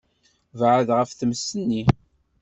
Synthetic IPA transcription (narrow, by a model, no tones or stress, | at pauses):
vʕəðʁəfθəmsːənːi